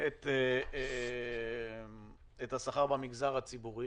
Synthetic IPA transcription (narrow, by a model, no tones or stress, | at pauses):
et̪ | et̪hasaχaʁbamiɡzaʁhat͡sibuʁi